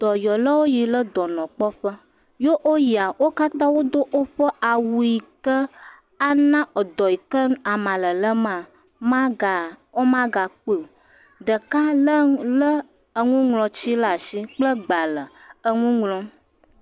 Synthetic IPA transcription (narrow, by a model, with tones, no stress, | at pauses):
d̪̥ɔ˨jɔ˨lə˦wo˦ji˨lə˦d̪ɔ˨nɔ̃˨k͡pɔ˦ɸə˦ | jo˦ʔo˦ji˨a˨wo˦ka˦t̪ã˦wo˦d̪o˦ʔo˦ɸə˦ʔa˨wu˨i˨kə˦ | a˦nã˦ə˨d̪ɔ˨ji˨kə˦n˦a˨mã˨lə˨lə˦mã˨ | mã˦a˨wo˦mã˦ɡa˨k͡pe˦˨o˨ | d̪ə˨ka˦lə˦lə˦ | ə˨ŋũ˦ŋlɔ̃˨t͡ɕi˦la˨si˦k͡plə˦ɡ͡ba˨lə˨ | ə˨ŋũ˦ŋlɔ̃˦